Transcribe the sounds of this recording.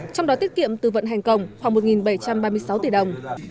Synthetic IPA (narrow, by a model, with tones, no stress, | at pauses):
t͡ɕɔ˧wŋ͡mɗɔ˨˦t̪i˦˥ət̚kḭ˧˨əmt̪ɨ˨˩və̰˧˨nɦa˨˩jŋ̟kə˨˧˩wŋ͡mxwaː˧˩ŋmo˨˩t̚ŋi˨˩nɓə˧˩jt͡ɕa˧mɓaː˧mɨ˧əjsa˨˦wt̪i˧˩ɗə˨˩wŋ͡m